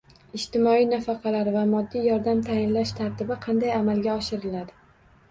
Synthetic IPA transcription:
ɪʃt̪ɪmɒijnafɑqʰɑlaɾvamɒd̪ːijɒɾd̪amt̪ʰajɪnlaʃt̪ʰaɾt̪ʰɪbɪqʰɑnd̪ajamalɡʲaɒʃɪɾɪlad̪ɪ

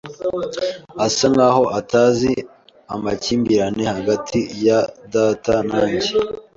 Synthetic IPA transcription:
asaŋɡaːho̞ʔataːzi | amaciːmbiɾane̞haɡatʰijadaːtanaːɲɟe

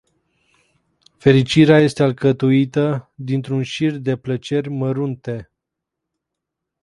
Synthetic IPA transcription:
fe̞ɾit͡ʃiɾeaje̞st̪ealkət̪uit̪əd̪int̪ɾunʃird̪e̞plət͡ʃe̞rʲməɾunt̪e̞

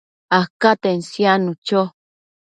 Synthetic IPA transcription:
ahkat̪ensjanũt͡ʃo

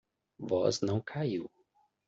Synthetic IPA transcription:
vɔznɐ̃w̃kʰaiw

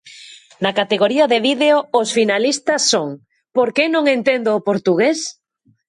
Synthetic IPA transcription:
nakat̪eɣoɾiaðeβiðeoosfinalist̪ɐsːoŋ | poɾkenõŋẽnt̪end̪oːpoɾt̪uɣes

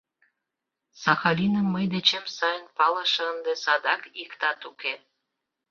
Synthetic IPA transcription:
sɑxɑlʲinəmːəjd̪et͡ɕemsɑjənpɑlə̆ʃə̆ənd̪esɑd̪ɑkikt̪ɑt̪uke

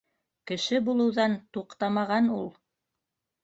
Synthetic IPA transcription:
kɘ̆ʃɘbulˠɤ̆wðɑnt̪uqt̪ɑmɑʁɑnulˠ

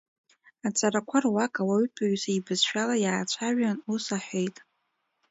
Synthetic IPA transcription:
at͡sʼaɾakʷʰarwakʼawaɥɥtʰʼaʕʷzaibɨzʃᶣalajaːt͡ɕʷʰaʒᶣanusaħʷᶣejtʼ

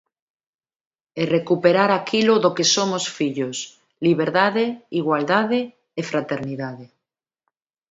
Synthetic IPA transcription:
erekupeɾaɾakʰiloðokesomosfiʎos | liβ̞eɾðaðeiɣwald̪að̞eː | fɾat̪eɾniðaðe

